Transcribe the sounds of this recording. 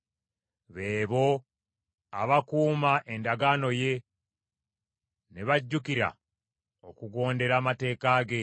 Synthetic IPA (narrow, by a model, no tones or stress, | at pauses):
βe̞ːβo̞ | a̰βakuːmaʔe̞ndaɡano̞je̞ | neβaɟːukiɾa̰ | okuɡo̞ːnde̞ɾaːmate̞ːkaːɡe̞